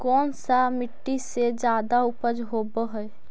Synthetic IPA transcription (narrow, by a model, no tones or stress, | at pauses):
kɔːnsamɪʈːised͡ʒjaːd̪aʊpəd͡ʒɦoːbəɦəɛ